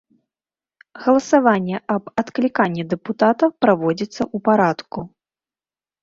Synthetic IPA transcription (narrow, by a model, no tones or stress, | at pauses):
ɣɐlˠɐsavanʲːɛɐbɐt̪klʲikanʲːɛd̪ɛput̪at̪ɐpɾavɔd͡zʲit̪sːɐʔupaɾat̪ku